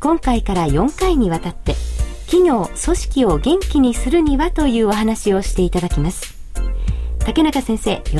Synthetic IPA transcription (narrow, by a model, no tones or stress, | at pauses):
kõ̞ŋkaikaɾajõ̞ŋkaiɲ̟iβ̞at̪at̪ːe̞kʲiɲʲo̞ːso̞ɕi̥kʲio̞ɡẽ̞ŋkʲiɲ̟isɨɾɯ̟ɲ̟iβat̪o̞jɯ̟ːo̞ɦanaɕio̞ɕi̥t̪e̞it̪ad̪akʲimasɨ̥ | t̪ake̞nakasẽ̞ɰ̃se̞ːjo